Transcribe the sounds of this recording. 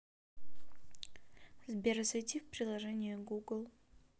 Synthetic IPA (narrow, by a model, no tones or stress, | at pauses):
zbʲeɾəsʲɛtʲifpɾʲɪlˠɐʐɛnʲɪjəɡuɡlˠ